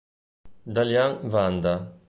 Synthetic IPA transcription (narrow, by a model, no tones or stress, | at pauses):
d̪aljaŋvand̪a